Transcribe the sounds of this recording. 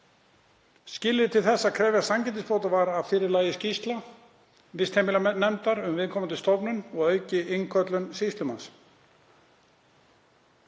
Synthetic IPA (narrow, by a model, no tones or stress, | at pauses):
scɪːlɪt̪ʰɪlθɛsːakʰɾɛːvjasamcɛnt̪ɪspoːwt̪avaɾaðfɪːɾɪɾlaːjɪscist̪la | vɪst̪hejmɪlanɛmt̪aɾʏmvɪðkʰɔːmant̪ʏst̪ɔpnʏnɔɣœːɥcɪɪŋkʰœt̪lʏnsist̪lʏma̰ns